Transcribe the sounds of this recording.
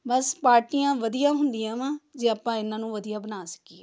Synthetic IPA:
bəspaːɾʈijãːʋəd̪ijãːɦʊnd̪ɪjãːʋãːd͡ʒeːəpãːɪnãːnũːʋəd̪ijaːbənaːsə̥kiːɛː

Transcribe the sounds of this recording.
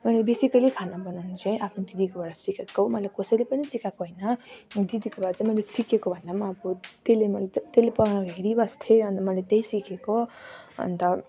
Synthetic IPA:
mʌlebesikʌjlekʰanabʌnanit͡saĩʔapʰnod̪id̪ikobʌɽasikʰekːomʌjlajkosʌjlepʌnisikakoɦʌjnʌd̪id̪ikobaɾt͡saĩmʌjlesikekobʱʌnd̪amʌapʰut̪elemʌlt̪elepʌnaɦeɾibʌst̪ʰeʌnt̪ʌmʌlet̪ejsikekoʌ̰nt̪ʌ

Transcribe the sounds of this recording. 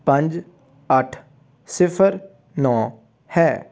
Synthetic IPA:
pə̃ɲd͡ʒ | əʈʰ | sɪpʰəɾ | nɔ̃ː | hɛː

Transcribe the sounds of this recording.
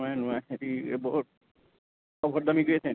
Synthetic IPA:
ajnʊaetḭbɔɦut̚ | ɔbʱɔt̚damiɡojasʰɛ̃

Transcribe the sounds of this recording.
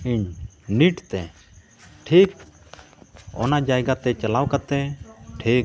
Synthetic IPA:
iɲniʈt̪ɛ | ʈʰik | ɔ̰nad͡ʒajɡat̪ɛt͡ʃəlawkat̪ɛʈʰik̚

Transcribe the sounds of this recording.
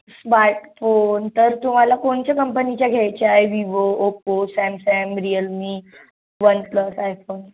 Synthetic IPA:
smaɾʈfont̪əɾt̪um̤alakoɳt͡ɕjakəmpənit͡ɕjaɡʱjɛjt͡ɕeajʋiʋooposɛmsɛmɾijəlmi | ʋənpləsajfon

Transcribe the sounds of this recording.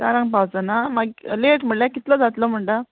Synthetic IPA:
taɾãŋɡpawd͡zanamaɡleʈm̤əɽljakit̪ləd͡zat̪ləm̤əɳʈa

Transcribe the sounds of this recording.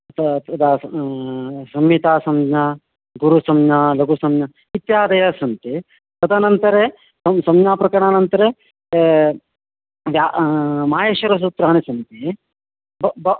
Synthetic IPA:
t̪t̪ɐd̪aː | sɐmjit̪aːsɐmɲaː | ɡuɾusɐmɲaːlɐɡusɐmjɐ | it̪jaːd̪ɐjasɐnt̪i | t̪ɐd̪aːnɐnt̪ɐɾe | sɐmsɐmjaːpɾɐkɐɳaːnɐnt̪ɐɾe | ʋamaːjeːʃɐɾɐs̬ut̪ɾaːnisɐnt̪i | bɐbɐ

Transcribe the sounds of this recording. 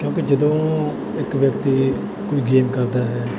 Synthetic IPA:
kjõːkeːd͡ʒəd̪õː | ɪkʋjəkt̪iː | koːiːɡeːmkəɾd̪aːɦɛː

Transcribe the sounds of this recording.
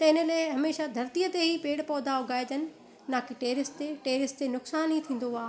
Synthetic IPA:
t̪ɐɪnə̆lɐːɪɦɐmeːʃad̪ʱɐɾt̪ijət̪eɦipeːɽpɔːd̪ʱaʊɡʱaːed̪ənɪ̆ | naːkiʈeːɾɪst̪eʈeːɾɪst̪enʊksaːnit̪ʰĩːn̆d̪oaː

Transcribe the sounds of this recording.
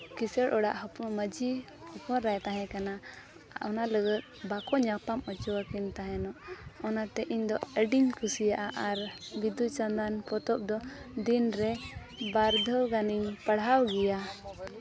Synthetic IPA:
kisəɽʔɔɽa̰ʔɦɔpunməd͡ʒi | hɔpɔɾajt̪aɦɛ̃kana | ɔ̰naləɡət̪̚bakɔɲapamɔt͡ʃɔwakint̪aɦɛ̃nɔʔɔnat̪ɛʔiɲd̪ɔəɖiɲkʰusijaʔaʔaɾbid̪ut͡ʃand̪anpɔt̪ɔp̚d̪ɔd̪inɾɛ | baɾd̪ʱəwɡaniɲpəɽɦawɡɛja

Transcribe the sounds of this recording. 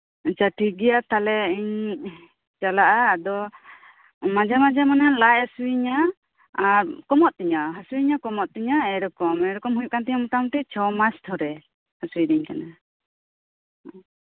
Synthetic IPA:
t͡ʃaʈiɡijat̪ʰalɛiɲ | t͡ʃalaʔaːd̪ɔ | mad͡ʒamad͡ʒamanalajasuiɲaː | ɾkɔmɔʔ̪̚t̪iɲaɦasuiɲakɔmɔʔ̪̚t̪iɲaɛɾɔkɔmɛɾɔkɔmɦuɲjuʔ̚kant̪̬ɛɲamɔt̪amʈɛt͡ʃʰɔmast̪ʰɔɾɛ | hasuidɛɲkana

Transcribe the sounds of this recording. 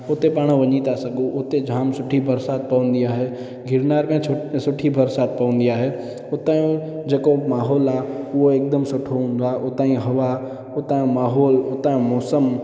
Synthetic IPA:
ot̪epaːɽ̃ʋɐɲit̪asɐɡʱuʔot̪ed͡ʒʱaːmsʊʈʰibɐɾsaːt̪̚pɐʋə̃nd̪iaːɦeː | ɡʱɪɾnaːɾkãosʊʈʰibɐɾsaːt̪̚pɐʋə̃n̆d̪iaːɦe | ot̪aːjũd͡ʒeːkomaːɦɔːlaːʊɦoeːk̚d̪əmsʊʈʰoɦũːn̆d̪aʔoːt̪aːĩɦɐʋa | ot̪ãĩmaːɦɔːloːt̪ãmɔːsəm

